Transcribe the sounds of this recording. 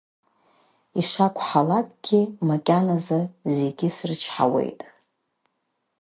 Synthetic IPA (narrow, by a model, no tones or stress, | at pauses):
iʂakʷʰʼħalakʼɡ̥ʲimakʲʼanazɨze̞ɡʲɪsrt͡ʃʰħa̰wḛjtʼ